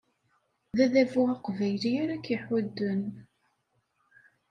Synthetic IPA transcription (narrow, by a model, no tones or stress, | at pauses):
ðæðævʊʁɑqvæjliæɾækːjəħæd̪ːən